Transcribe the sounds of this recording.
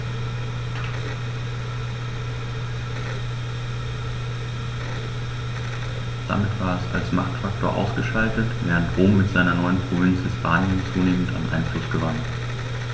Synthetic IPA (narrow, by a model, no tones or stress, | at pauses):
d̥a̰mɪtv̥aːɐɛsa̰lsmaχktfak̚to̰ːɐʔa̰ʊsɡ̥əʃaltətv̥ɛːʁ̞əntʁoːmːɪtz̥aɪnɐnɔʏənpʁ̥ovɪnt͡shɪspʰaːnjənt͡suːneːmən̩ta̰nnʔa̰ɪnflʊsɡ̥əvan